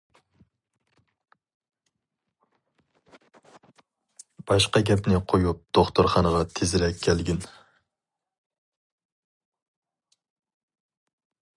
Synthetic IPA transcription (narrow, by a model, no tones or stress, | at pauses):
b̥ɑʃqɑɡʲɛpnɪqʰojup̚d̪̥oχt̪ʊɾχɑnəʁɑt̪ʰezɪɾɛkʲʰːɛlɡʲɪn